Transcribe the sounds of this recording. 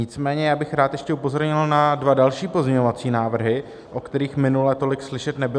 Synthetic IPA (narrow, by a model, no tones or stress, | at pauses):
ɲɪt͡smɛːɲɛjaːbɪxɾaːt̪jɛʃcɛupo̞zo̞ɾɲɪlnadvadalʃiːpo̞zɲɛɲovat͡siːnaːvr̩ɦɪ | ʔokt̪ɛɾiːxmɪnulɛt̪o̞lɪkslɪʃɛt̪nɛbɪ